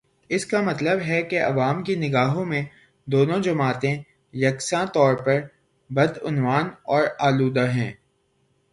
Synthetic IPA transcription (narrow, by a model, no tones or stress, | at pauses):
ɪskamɐt̪ləbɦɛkeʔɐ̰ʋaːmkinɪɡaːɦõmẽ | d̪oːnõd͡ʒɐmaːt̪ẽ | jɐksãt̪ɔːɾpɐɾ | bɐd̪ʊnʋaːnɔːɾaːluːd̪aɦɛ̃ː